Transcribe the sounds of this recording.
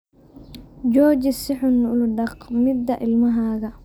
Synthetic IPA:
d͡ʒɔːd͡ʒɪsɪħʊnʊlʊɖɐqmɪd̪ːɐʔɪlmɐɦaːɣɐ

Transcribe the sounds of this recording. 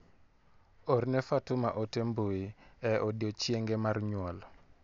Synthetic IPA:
ornɛfatʊmaʔotemboiɛɔdjot͡ʃjeŋɡɛmarɲwɔl

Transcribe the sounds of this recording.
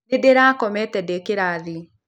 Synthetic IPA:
edeɾaːkɔmɛtɛdekeɾaði

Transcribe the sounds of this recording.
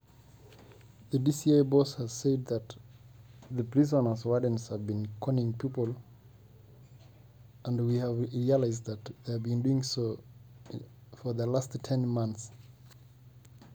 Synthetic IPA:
ðɨdisieɪbɔshəz̥seɪd̪̚ðət | ðəpʰɹ̥izənə˞zwadə̃nz̥həvbĩnkʰɔnɪ̃ŋpʰipəl̩ˠ | ʔə̃ndwiəvɹiəlaɪzd̚ðɨt̪ðevbĩnduɪ̃ŋso | fə˞ðəlasttʰɛ̃nmʌ̃nθs

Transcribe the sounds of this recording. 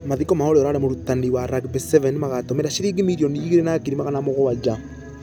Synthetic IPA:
maðikɔmaoɾeɔɾaːɾɛmoɾutaniwaɾaɡbɛsɛvɛnmaɣatɔmɛɾaʃiɾiɡimiɾiɔniɣiɾenakiɾimaɣanamoɣɔwad͡ʒa

